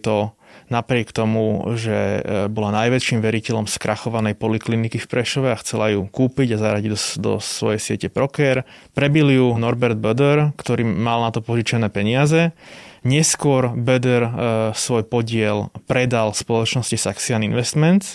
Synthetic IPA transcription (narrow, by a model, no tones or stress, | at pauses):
t̪ɔ | napɾɪɛkt̪ɔmuʒɛ̰bɔlanajʋɛʃimʋɛɾicɛlɔmskɾʔaxɔʋanɛjpɔliklinikifpɾɛʃɔʋɛaxt͡sɛlajuːkuːpiɟazaɾaɟiɟd̪d̪ɔ̰sʋɔ̰jɛjsɪɛcɛpɾɔkɛɾpɾɛbiljunɔɾbɛɾd̪̚bɛd̪ɛɾkt̪ɔɾiːmalnat̪ɔpɔʒit͡ʃɛnɛːpɛɲɪazɛɲɛskʊɔɾbɛd̪ɛɾsʋɔjpɔɟɪɛlpɾɛd̪alspɔlɔt͡ʃnɔscisaksianinʋɛst̪mɛnt̪s